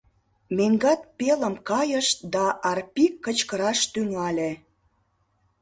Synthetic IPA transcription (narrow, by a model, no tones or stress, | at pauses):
meŋɡɑt̪̚peləmkɑjəʃt̪̚d̪ɑʔɑrpikːət͡ɕkəɾɑʃt̪yŋɑlʲe